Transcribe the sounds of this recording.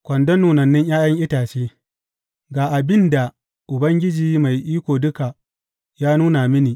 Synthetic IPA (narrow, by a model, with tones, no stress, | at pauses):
kʷɐ˨ndɐ˦nːuː˨nɐ˨nːɪ˦ŋjaː˦jɐ˦ŋʔɪ˦taː˨t͡ʃeː˦ | ɡaː˨ʔa˨bɪ˦nda˨ | ʔʊ˨bɐ˦ŋɡʲɪ˦d͡ʒiː˨ma˨jʔiː˦kʷoː˨dʊ˦ka˨ | jaː˦nuː˦na˨mɪ˦niː˨